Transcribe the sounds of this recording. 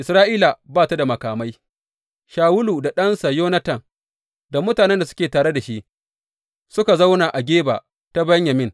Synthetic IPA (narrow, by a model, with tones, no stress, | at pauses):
ʔɪ˨sɾaː˦ʔiː˦la˨baː˦˨ta˦da˨mɐ˨kaː˨ma˦j | ʃaː˨wʊ˦luː˨da˨ɗɐ˦nsa˨joː˦nɐ˦tɐ˨ŋ | da˨mʊ˦taː˨nɛ˦nda˨sʊ̥˦kʲeː˨taː˨ɽe˦da˨ʃi˦ʔ | sʊ˦ka˨za˦wna˨ʔa˨ɡʲeː˦ba̰ː˨ | ta˦bɐ˦ɲja˨mɪ˦˨ŋ